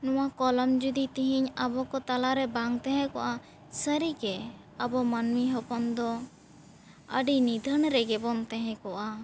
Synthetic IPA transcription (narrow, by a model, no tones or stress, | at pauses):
nɔwakɔlɔmd͡ʒud̪it̪iɦiɲəbɔkɔt̪alaɾɛbaŋt̪ɛɦɛ̃kɔʔa | səɾiɡɛ | əbɔmanmiɦɔpɔnd̪ɔ | ə̰ɖinid̪ʱənɾɛɡɛbɔnt̪ɛɦɛ̃kɔʔa